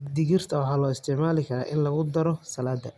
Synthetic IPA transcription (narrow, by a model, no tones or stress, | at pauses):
d̪ɪɣɪrt̪ʰɐwɑħɑːlɔːɪst̪ʰɪʕmaːlɪkʰɐɾa̰ːʔɪnlɐɣʊd̪ɐɾɔsɐlaːd̪ːɐ